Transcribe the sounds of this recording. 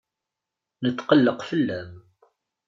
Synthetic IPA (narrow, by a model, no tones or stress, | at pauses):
nət̪ːqəlːəqfəlːæm